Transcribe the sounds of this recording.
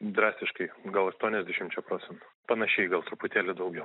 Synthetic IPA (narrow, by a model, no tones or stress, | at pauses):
d̪ɾɑːsʲt̪ʲɪʃkɐɪɡɐlˠɐʃt̪uɔnʲɛzʲd̪ʲɛʃʲɪmt͡ʃʲɛpɾoːt̪t͡ssʲɛnt̪ʊ̥pɐnɐʃʲɛɪɡɐlˠt̪ɾʊpʊt̪ʲæːlʲʊd̪ɐʊɡʲɛʊ